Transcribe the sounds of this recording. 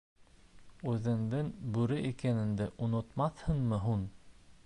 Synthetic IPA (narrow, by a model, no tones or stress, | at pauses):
ʉðɘ̆nd̪ɘnbʉɾɘʔikænɘ̆nd̪æʔonŏt̪mɑθhɤnmɤɦun